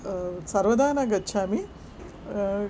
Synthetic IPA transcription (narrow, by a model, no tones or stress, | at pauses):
sɐɾʋɐd̪ʱaːnɐɡɐtːʃʰaːmi